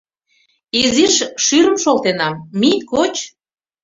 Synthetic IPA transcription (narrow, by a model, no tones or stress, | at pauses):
iziʃʃyɾəmʃolt̪enɑmːit̪kot͡ɕ